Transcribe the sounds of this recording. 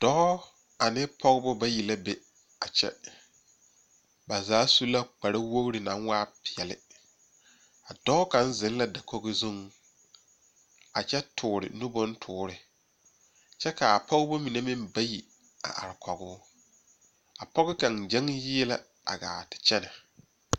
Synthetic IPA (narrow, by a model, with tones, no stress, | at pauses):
d̥ɔː˦ | a˨nɪ˦pʰɔ˦ɡɪ˦bʊ˦ba˦ji˨la˦be˨ | a˨t͡ʃɛ̰˦ | ba˨zaː˨˦su˦la˦k͡pa˨ɾa˦wo˦ɣɾɪ˨nã˨˦ŋwaː˦pʰɪ˨ɛ˨lɪ˦ | a˨dɔ˦ka˨˦n˦zɪ˨˦n˦la˦da˨ko˦ɡɪ˦zo˦ŋ | a˨t͡ʃɛ˦tʰʊː˨ɾɪ̰˨nʊ˦bʊ˦ntʰʊː˦ɾɪ˨ | t͡ʃɛ˦ka˨a˨pʰɔ˦ɣɪ˦bo˦mĩ˨ne˦mɪ̃˦mba˦ji˨ | a̰˨ʔa̰˨ɾɪ˨kʰɔ˨ɡʊː˦ | a˨pɔ˦ɣɪ˦ka˨ŋd͡ʒɛ˦ŋjɪ˦la˦ | a̰˨ɡa̰ː˨tɪ̥˨t͡ʃɛ˦na˨